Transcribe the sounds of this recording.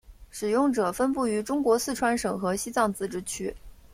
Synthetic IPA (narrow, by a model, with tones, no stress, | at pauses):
ʂɻ̩˨˩jʊ˥˩ŋʈ͡ʂɤ˨˩fə˥npu˥˩y˧˥ʈ͡ʂʊ˥ŋkwɔ˧˥sɹ̩˥˩ʈ͡ʂʰwa˧˥nʂɤ˨˩ŋxɤ˧˥ɕi˥t͡sɑ˥˩ŋt͡sɹ̩˥ʈ͡ʂɻ̩˥t͡ɕʰy˥